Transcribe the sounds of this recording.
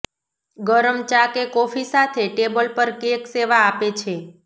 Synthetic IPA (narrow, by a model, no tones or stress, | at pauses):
ɡəɾəmt͡ʃakekɔfisat̪ʰeʈebəlpəɾkekseʋaːpet͡ʃʰe